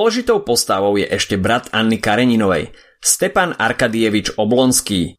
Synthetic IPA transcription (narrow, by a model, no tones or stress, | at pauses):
ɔlɛʒit̪ɔʊpɔst̪aʋɔʊjɛ̰ʔɛʃcɛbɾat̪anːikaɾɛɲinɔʋɛ̰j | st̪ɛpana̰ɾkad̪iɛʋit͡ʃɔblɔnskiː